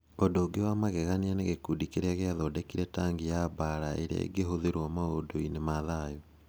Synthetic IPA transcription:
odoɡewamaɣɛɣanianeɣekudikeɾeaɣeaðɔdɛkiɾɛtaŋɡijabaɾaḛɾḛḛɡeɦoðeɾwɔmaodoinemaðajo

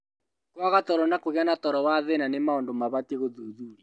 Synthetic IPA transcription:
kwaɣatɔɾɔnakoɣeanatɔɾɔwaðenanemaondomaβateɣoðuðuɾi

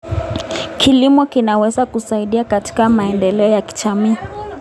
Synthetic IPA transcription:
kʰilimɔkinawɛzakusaiɗiakati̥kamaɛndɛlɛɔjaki̥t͡ʃamiː

